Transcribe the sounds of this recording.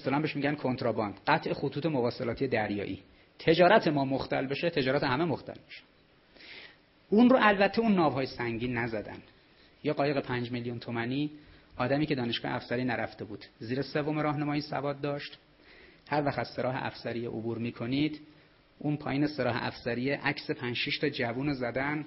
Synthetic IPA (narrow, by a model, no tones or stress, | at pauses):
st̪olæːmbe̞ʃmiːɟænkʰo̞nt̪ʰɾɒbɒnd̪̥ɢæt̪ʰʔe̞xot̪ʰuːt̪ʰe̞movɒːselɒːt̪ʰijed̪æɾjɒ̰ːʔḭː | t̪ʰe̞d͡ʒɒːɾæt̪ʰe̞mɒːmoxt̪ʰæ̰lbe̞ʃet̪ʰe̞d͡ʒɒːɾæt̪eɦæme̞moxt̪ʰæ̰lbi̥ʃe̥ | unroʔælbæt̪ʰːe̞unːɒːvhɒːjesæŋɟiːnːæzæd̪æ̰n | jeːɢɒːje̞ɣe̞pʰænd͡ʒmeljunt̪ʰomæniː | ɒːd̪æmiːkcʰe̞d̪ɒːne̞ʃɡɒ̰ːhḛæfsæɾiːnæɾæft̪e̞buːd̪̥ziːɾesevomeɾɒːɦnemɒːjisæ̰vɒːd̪̚ːɒːʃt̪ | hæɾvæxt̪æz̥se̞ɾɒːɦḛʔæ̰fsæɾijḛʔobuːɾmiːkʰo̞niːd̪ | ʔunpʰɒːjiːneseɾɒːɦḛʔæ̰fsæɾijeʔæcse̞pʰænd͡ʒʃiʃt̪ʰɒːd͡ʒævuːnozæd̪æn